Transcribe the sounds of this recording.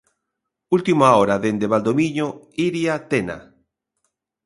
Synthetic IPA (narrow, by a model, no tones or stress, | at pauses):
ult̪imoaoɾaðend̪eβald̪omĩɲo | iɾjat̪ena̰